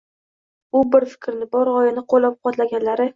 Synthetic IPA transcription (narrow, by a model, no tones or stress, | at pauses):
ʊbɪɾfɪ̥kʲʰɾnɪbɒɾɒjɪnɪqʰolːap̚qʰɒt̪laɡʲanlaɾɪ